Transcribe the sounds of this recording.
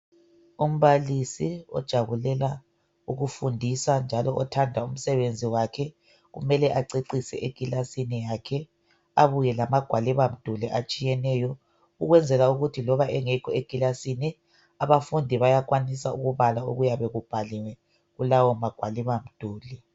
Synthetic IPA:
um̩βalisiɔ̰d̥ʒ̥ʱaβulɛla | uɣufundʱisand͡ʒʱalɔʔɔtʰandʱaum̩sɛβend͡zʱiwakʰɛ | ɣṵmɛlɛʔaǀiǀisɛ̰ʔeɡ̥ʱilasinijakʰɛ | aβujɛlamaɡ̥ʱwaliβam̩d̥ʱuliʔat͡ʃʼijɛnɛjɔ | uɣwɛnd͡zʱɛlauɣutʰilɔβaɛŋɛkʰɔeɡ̥ʱilasini | aβafundʱiβajaɣwanisauɣuβalauɣujaβeɣub̥ʱaliwɛ | ɣulawɔmaɡ̥ʱwaliβam̩d̥ʱuːli

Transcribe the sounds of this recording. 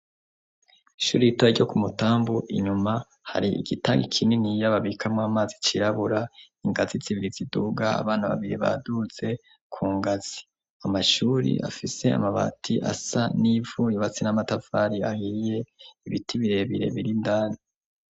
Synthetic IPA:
iʃuːɾiitoaɟo̞kumutaːmbuʔḭɲuma | ha̰ɾiḭɡ̥itaːŋɡikʰininijaβaβikʰamŋaːmaːzit͡ʃiɾaβuɾaiŋɡazit͡siβiɾiziduɡaa̰βaːnaβa̰βiɾiβa̰duze̞ | kʰuːŋɡaz̥i̥ | amaʃuɾḭʔa̰fise̞a̰maβa̰tʰiʔa̰sanivujuβat͡sinamatafaɾiahije̞iβitʰiβiɾe̞βiɾe̞̰βiɾindaːni

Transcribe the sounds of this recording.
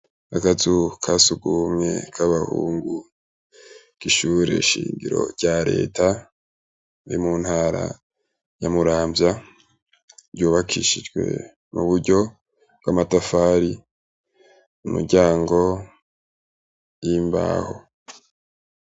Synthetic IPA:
akazukʰasuɡumŋe̞̰kʰaβahuːŋɡu | ɡ̥iʃuːɾe̞̰ʃiːŋɡiɾo̞ɾɟ̥aɾe̞̰ːtʰa | iɾimuːnhaːɾa̰ | jamuɾaːmbja | ɟuːβakʰiʃid͡ʒɡwe̞̰ | muβuɾɟo̞ | b̥̚wamatafaɾi | umuɡɟaːŋɡo̞ | jimba̰ːho̞̰

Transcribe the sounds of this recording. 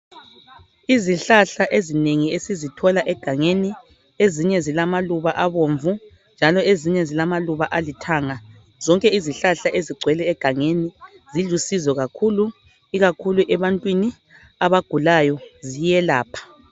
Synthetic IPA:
iziɬaɬaʔezineŋiesizitʰɔlaʔɛɡ̥ʱaŋeni | eziɲɛzilamaluβaʔaβoɱvu | nd͡ʒʱalɔeziɲɛzilamaluβaʔalitʰaːŋa | z̥ɔŋkʼɛiziɬaɬaʔeziɡ͡ǀʱwɛlɛːɡ̥ʱaŋeni | zilusizɛɣakʰulu | iɣakʰuluʔɛβantʼwini | aβaɡ̥ʱulajɔzijɛlaːpʰḁ

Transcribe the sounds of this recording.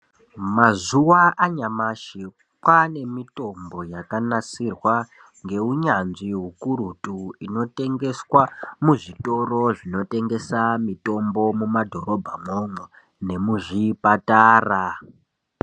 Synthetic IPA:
mazuwaʔaɲamaʃi | kwane̞mito̞mbo̞jakanat͡sirwa | ŋɡe̞uɲanʐiɦukuɾutuino̞te̞ŋɡe̞swamuʐito̞ro̞ʐino̞te̞ŋɡe̞samito̞mbo̞mumadʱo̞ɾo̞bʱamoŋwe | ne̞muʐipataːra

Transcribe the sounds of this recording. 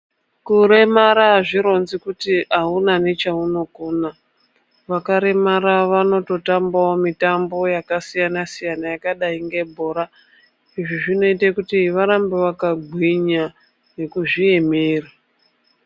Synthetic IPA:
kuɾe̞maɾaʐiɾo̞nzikutiaunane̞t͡ʃauno̞koːna | ʋakaɾe̞maɾaʋano̞to̞tambaomitambo̞jakasijanasijanajakaɗaiŋɡe̞bʱo̞ːɾa | iʐiʐino̞itakutiʋaɾambeʋakaɡʱwiɲa | ne̞kuʐie̞mera

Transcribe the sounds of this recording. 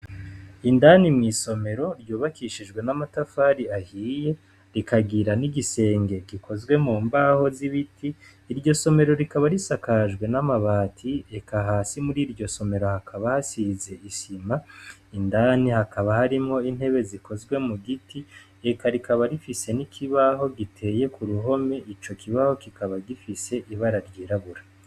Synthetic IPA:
indanimŋiːso̞me̞ɾo̞ɾjuːβakiʃiʒɡwe̞namatafaːɾiahiːje̞ | ɾikaɡiɾaniɡise̞ːŋɡe̞ɡikʰo̞zɡwe̞muːmbaho̞ziβitʰiː | ɾɟo̞so̞me̞ɾo̞ɾikaβaɾisakaʒɡwe̞namaβaːtʰiekaɦaːsimuɾiːɾɟo̞so̞me̞ɾo̞hakʰaβahasize̞isimaindaːnihakaβahaɾimŋo̞in̥he̞βe̞ziko̞zɡwe̞muɡitʰi | ekaɾikaβaɾifise̞nikʰiβaho̞ɡitʰe̞je̞kuɾuɦo̞me̞ʔit͡ʃo̞kiβaho̞kikaβaɡifise̞ʔiβaɾaɾɡiɾaβuɾa

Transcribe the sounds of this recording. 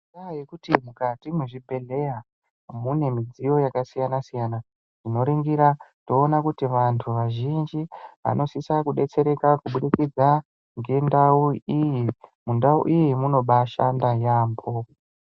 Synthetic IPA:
ajekutimukatimuʐibʱe̞ɮe̞ja | mune̞mid͡zijo̞jakasijanasijana | ʐ̥ino̞ɾiŋɡiɾato̞ːnakutiʋantʰuʋaʒind͡ʒiʋa̰no̞sisakuɗe̞t͡se̞ɾe̞kakuɓuɗikid͡za | ŋɡe̞ndauijimundaṵʔijimuno̞ɓaʃandajaːmbo

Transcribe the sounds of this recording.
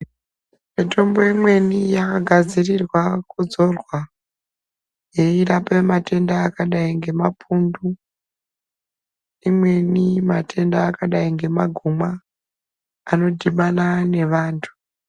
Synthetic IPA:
mito̞mbo̞imwe̞nijakaɡʱad͡zirirwakud͡zo̞rwa | je̞irapemate̞ndaːkaɗaiŋɡe̞mapʰundu | imwe̞nimatʰe̞ndaːkaɗaiŋɡe̞maɡʱuma | no̞dʱiɓanane̞ʋaːntʰu̥

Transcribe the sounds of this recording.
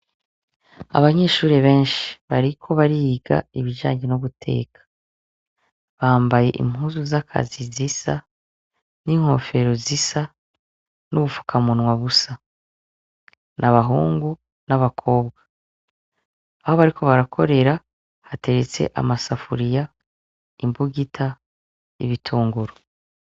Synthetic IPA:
a̰βaɲe̞ːʃuːɾeβe̞ːnʃi̥βaɾikʰo̞βaɾiːɡa̰iβiʒa̰ːɲɟenuβutʰe̞̰ːkʰḁ | βaːmbaje̞ʔḭm̥huːzuzakʰa̰zizisa | niːŋho̞̰fe̞ɾo̞zisa | nuβufu̥kʰamunwaβusa | nʔaβaɦuːŋɡu | naβakʰo̞ːbɡa | ahoβaɾikʰo̞βaɾakʰo̞ɾe̞ɾa | hate̞ɾe̞t͡se̞̰ʔa̰masafuɾija | imbuɡitʰa | iβitʰuːŋɡuɾo

